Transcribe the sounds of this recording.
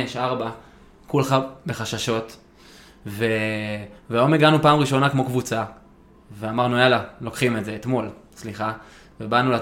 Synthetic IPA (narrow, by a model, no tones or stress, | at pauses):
eʃaʁba | kulχabe̞χaʃaʃo̞t̪ | ve | vejomeɡanupaːmʁiʃo̞nakmo̞kvut͡sa | veamaʁnualalo̞kχime̞tze̞ːt̪mo̞lsliχa | vebanula